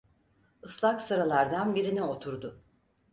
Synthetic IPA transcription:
ɯslˠaksɯɾalˠaɾd̪anbiɾinio̞t̪ʰuɾd̪ʊ

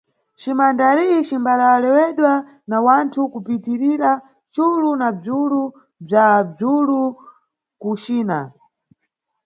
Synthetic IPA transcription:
t͡ʃimandaɾiit͡ʃimbalawalɛwɛɗwa | nawantʰukupitiɾiɾa | t͡ʃulunab͡ʐulu | b͡ʐab͡ʐulu | kut͡ʃiːna

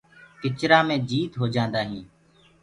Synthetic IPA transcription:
kɪt͡ʃɾaːmẽːd͡ʒiːt̪ɦoːd͡ʒãːnd̪aːɦĩː

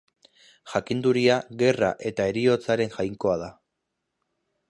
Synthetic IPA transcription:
ʝakind̪uɾiaɣe̞ra̰ʔe̞t̪ae̞ɾio̞t͡saɾe̞ŋʝajŋko̞að̞a

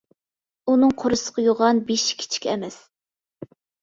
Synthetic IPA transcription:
unɨŋqʰoɾɨsə̥qʰɑjoʁɑnbeʃi̥kʲʰi̥t͡ʃʰi̥kʲʰɛmɛs

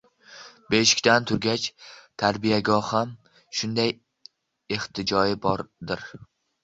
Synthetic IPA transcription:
be̞ʃɪ̥kʲt̪ant̪ʰʊɾɡʲat͡ʃt̪ʰaɾbijaɡɒham | ʃʊnd̪aj | eht̪ʰɪd͡ʒɒjɪbɒɾd̪ɪɾ

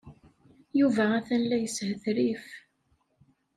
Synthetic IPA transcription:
juvææθænlæjəshəθɾif

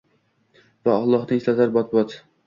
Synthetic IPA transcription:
vaɒlˠːɒhd̪ɪŋslazaɾbɒt̪̚bɒt̪

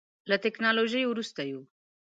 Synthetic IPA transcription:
lɐt̪eknaloʒijuɾust̪ɐju

